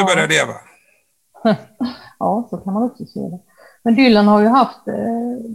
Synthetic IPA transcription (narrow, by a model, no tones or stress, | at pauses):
bœɾjaleːva̰ | ɑːsɔkʰanmanɔksɔsḛːd̪ɛ | mɛnd̪ʏlːənhaɾjɵɦaft̪